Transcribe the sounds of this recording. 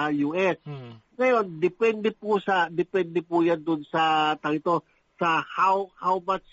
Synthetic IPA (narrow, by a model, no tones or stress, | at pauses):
juʔɛsŋɐjo̞nd̪ɪpɛnd̪ɛpusɐd̪ɪpɛnd̪ɛpujand̪ʊnsɐt̪ɐɡɪt̪o̞ | sɐhawhawmat͡ʃ